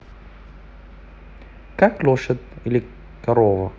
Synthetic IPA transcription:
kaklʲoʂət̪ilʲɪ | kɐɾovə̰

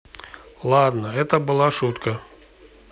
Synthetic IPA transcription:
lˠad̪nəɛt̪əbɨlˠaʂut̪kə

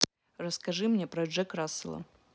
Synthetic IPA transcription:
rɐskɐʐɨmnʲɛpɾɐʐɛkɾasɨlˠɐ̰

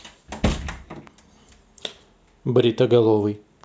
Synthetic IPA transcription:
bɾʲit̪ɐɡɐlˠovɨj

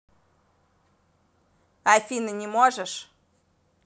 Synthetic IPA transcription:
afʲinɨnʲɪmoʐəʂ

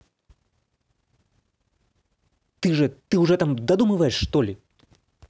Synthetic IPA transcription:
t̪ɨʐɛt̪ɨwʐɛt̪amd̪ad̪umɨvɐjɛʂːt̪ɔlʲi

